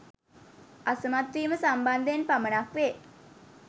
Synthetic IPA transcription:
asəmat̪ʋiːməsamband̪əenpamənakʋe

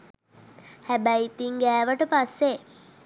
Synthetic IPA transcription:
hæbæjit̪iŋɡæːʋəʈəpasːe

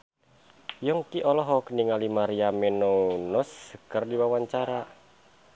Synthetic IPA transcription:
jɔŋkiʔɔlɔɦɔkniŋalimaɾiamɛnonɔskərdiwawaɲt͡ʃaɾa

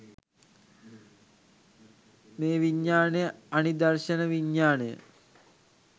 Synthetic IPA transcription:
meːʋiɲːaːnejəanid̪ɐrʃənəʋiɲːaːnejə̰

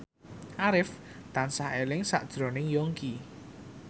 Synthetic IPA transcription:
ʔaɾɪft̪ansahelɪŋsa̰ʔd̥ʒ̥ɾo̤nɪŋjoŋki

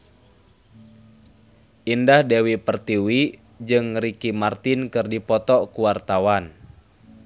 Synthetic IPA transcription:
ʔindahdewipərt̪iwi | d͡ʒɨŋɾikimart̪inkɨrdipɔt̪ɔkuwart̪awan

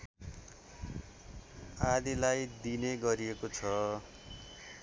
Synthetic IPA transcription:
ad̪ilajd̪ineɡʌɾiekot͡sʰʌ

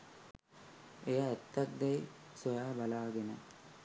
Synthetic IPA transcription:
ejaːt̪ːak̚d̪ejsojaːbalaːɡenə

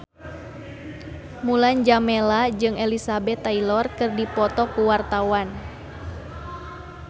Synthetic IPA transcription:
muland͡ʒamɛlad͡ʒɨŋɛlisabɛt̪ːailɔrkɨrdipɔt̪ɔkuwart̪awan

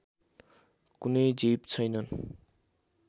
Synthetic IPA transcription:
kunʌjd͡zipt͡sʰʌjnʌn

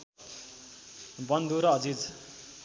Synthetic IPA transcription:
bʌnd̪ʱuɾʌʌd͡zid͡z

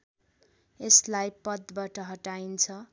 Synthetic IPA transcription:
eslajpʌd̪baʈʌɦʌʈaint͡sʰʌ

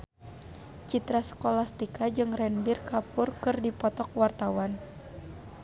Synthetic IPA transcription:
t͡ʃit̪ɾasə̥kolast̪ikad͡ʒɨŋrɛnbirkapurkɨrdipɔt̪ɔk̚wart̪awan

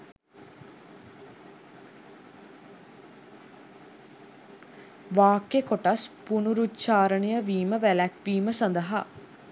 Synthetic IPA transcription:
ʋaːkːekoʈɐspunuɾut͡ʃaːɾənijəʋiːməʋælækʋiːməsand̪ɐɦa

